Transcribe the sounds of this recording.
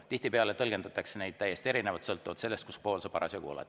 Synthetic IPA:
t̪iht̪ipeɑlet̪ɤlɡend̪̥ɑt̪ːˑɑksenejd̪̥̚t̪æjːe̞st̪ie̞ɾinevɑt̪sɤlt̪ːˑuvɑt̪se̞lːest̪̚kuspo̞ːlsɑpɑɾɑsjɑkṵlɑ̰t̪

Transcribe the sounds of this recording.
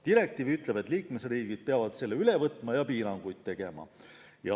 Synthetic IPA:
t̪iɾe̞k̚t̪iːvyt̪ˑle̞be̞t̪ːˑliːkmesriːɡ̥id̪̥̚peɑvɑd̪̥se̞lːeylevɤt̪ːˑmɑjɑpiːɾɑŋɡ̥ujd̪̥̚t̪e̞ɡ̥e̞mɑ̰ | jɑ

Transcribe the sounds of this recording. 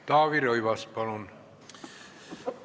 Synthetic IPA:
t̪ɑːʋiroiʋɑspɑlon

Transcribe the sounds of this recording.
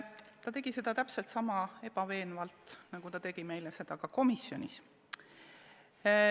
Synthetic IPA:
t̪ɑt̪e̞ɡ̥ise̞d̪̥ɑt̪æpselt̪sɑmɑe̞b̥ɑve̞ːnvɑlt̪nɑɡ̥ut̪ɑt̪e̞ɡ̥ime̞jlese̞d̪̥ɑkɑko̞misjo̞nʲis

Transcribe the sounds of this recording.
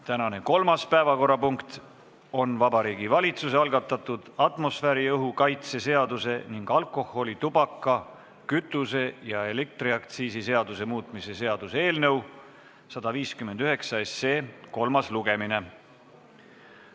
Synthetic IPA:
t̪ænɑne̞ko̞lmɑspæevɑko̞rːɑpuŋkt̪ | o̞nvɑbɑɾiːɡivɑlʲit̪suseɑlɡ̥ɑt̪ˑːɑt̪ːˑud̪̥ɑt̪ˑmo̞sfæɾiɤɦukɑjt̪se̞se̞ɑd̪use̞niŋɡ̥ɑlkˑo̞ho̞lit̪ubɑkˑːɑ | kyt̪ːˑuse̞jɑe̞lek̚t̪riɑkt̪siːsise̞ɑd̪̥use̞muːt̪ˑmise̞se̞ɑd̪̥useeːlnɤw | sɑd̪̥ɑviːskyme̞nd̪̥yɦe̞ksɑese̞ːko̞lmɑsluɡe̞mine̞

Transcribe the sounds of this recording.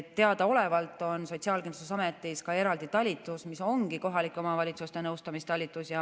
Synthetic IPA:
t̪ːe̞ɑd̪̥ɑo̞le̞vɑlt̪ːˑo̞nso̞t̪ʲsiɑːlkind̪lu̥sesɑme̞t̪ːˑiskɑe̞ɾɑld̪̥it̪ɑlʲːit̪ːˑusmiso̞ŋɡ̥iko̞ɦɑlikːˑo̞mɑvɑlʲit̪sust̪e̞nɤwst̪ɑmist̪ɑlʲːit̪ːˑusjɑ

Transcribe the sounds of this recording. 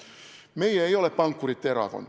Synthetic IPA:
meijæeioleppɑŋkːurit̪t̪erɑ̰ko̰n

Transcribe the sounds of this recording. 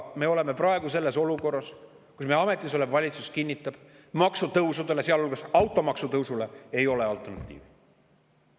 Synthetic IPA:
me̞ːo̞le̞me̞prɑeɡ̥use̞lːe̞so̞luko̞rːɑs | kusmeɑme̞t̪ʲːˑiso̞le̞mvɑlʲit̪suskinʲːit̪ːˑɑb̥ | mɑksut̪ɤwsud̪̥e̞le̞seɑlolɡ̥ɑsɑwt̪ːˑo̞mɑksut̪ɤwsule̞e̞jo̞leɑlt̪ːˑernɑt̪ʲːˑḭːvi

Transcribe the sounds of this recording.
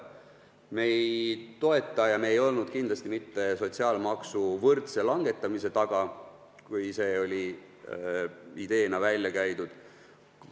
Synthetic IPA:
me̞jjt̪o̞e̞t̪ːˑɑjɑmeːjo̞lnud̪̥kind̪lɑst̪imit̪ːe̞so̞t̪ʲsiɑːlmɑksuvɤrt̪se̞lɑŋɡ̥e̞t̪ˑːɑmise̞t̪ɑɡ̥ɑ | kujse̞o̞lʲi | id̪̥e̞ːnɑvælʲjɑkæjd̪ud̪̥

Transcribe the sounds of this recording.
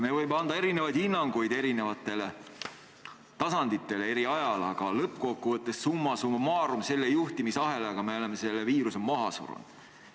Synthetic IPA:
me̞vɤjmeɑnd̪̥ɑe̞ɾine̞vɑjd̪̥inːɑŋɡ̥ujd̪e̞ɾine̞vɑt̪ˑːe̞le | t̪ɑsɑnd̪̥it̪ːˑe̞lee̞ɾiɑjɑlɑɡ̥ɑlɤpːˑko̞kːuvɤt̪ːˑe̞sːumːɑsumɑmɑːɾumse̞lːejuht̪imisɑɦe̞leɑɡ̥ɑme̞ole̞mːe̞se̞lːeviːɾusemɑɦɑsṵɾṵnd̪̥

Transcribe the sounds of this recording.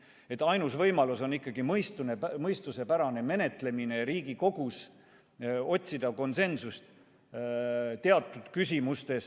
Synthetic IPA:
e̞t̪ːˑɑjnusvɤjmɑluso̞nikˑːɑɡ̥imɤjst̪unemɤjst̪use̞pæɾɑne̞me̞ne̞t̪ˑle̞mine̞ɾiːɡiko̞ɡ̥us | o̞t̪ʲsid̪̥ɑko̞nse̞nsust̪ | t̪e̞ɑt̪ːˑut̪kysʲimust̪e̞s

